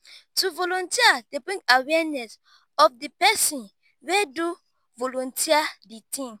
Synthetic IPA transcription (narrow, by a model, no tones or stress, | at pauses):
tuvolɔ̃ntiadebɹĩŋɡawɛnɛs | ɔfdipɛsĩn | wedu | volɔ̃ntiaditĩm